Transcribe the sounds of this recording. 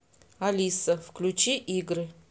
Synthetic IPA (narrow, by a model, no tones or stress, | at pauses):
ɐlʲisəfklʲʉt͡ɕiʔiɡɾɨ